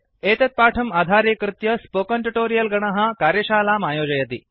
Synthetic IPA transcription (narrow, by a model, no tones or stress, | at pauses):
eːt̪ɐt̪̚paːʈʰɐmaːd̪ʱaːɾekɾɨt̪jɐspokɐɳʈuʈoːɾijɐlɡɐɳ̃ɐɦakaːɾjɐʃaːlaːmaːjoːd͡ʒɐjɐt̪iː